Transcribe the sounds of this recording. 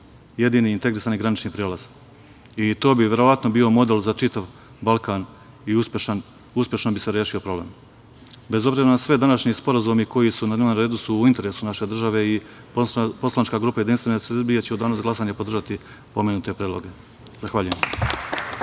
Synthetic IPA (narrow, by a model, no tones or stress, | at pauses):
je̞d̪iːniint̪e̞ɡɾisaːniɡɾanit͡ʃnipɾieːlaz̥ | it̪o̞ːbiʋʲje̞ɾo̞ʋat̪no̞biːo̞mo̞d̪elzat͡ʃit̪aʋ | balˠkaːn | iusʃan | uspʲje̞ʃnobise̞ɾjeʃio̞pɾo̞blḛm | be̞zo̞bziːɾanasʋed̪anaʃɲispo̞ɾazumiko̞jisunad̪neʋomɾe̞ːd̪usuːint̪e̞ɾe̞ːsunaʃe̞d̪r̩ʒaʋe̞i | po̞slˠanit͡ʃkaːɡɾuːpajed̪inst̪ʋenesbijet͡ɕeud̪aːnozɡlˠasaːɲepo̞d̪rʒat̪i | po̞menut̪e̞pɾeːd̪lˠoɡe̞ | z̥axʋaʎujem